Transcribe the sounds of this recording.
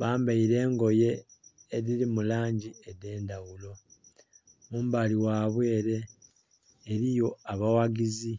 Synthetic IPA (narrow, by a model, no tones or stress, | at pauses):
βaːmbaiɾe̞ːŋɡo̞je̞ː | ɾiɾimulaːɲɟiede̞ːndawulo̞ | muːmbaliwaːβwe̞ːɾe̞ː | ɾijo̞aβawaɡizi